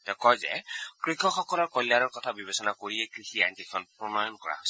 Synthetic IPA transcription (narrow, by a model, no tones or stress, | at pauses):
tɛkɔjzɛ̰kɹikʰɔxɔkɔlɔɹkɔljaɹɔɹkɔtʰabibesɔnakoɹiɛkɹixiantikʰɔnpɹɔmɔjɔnkɔɹa̰ɦos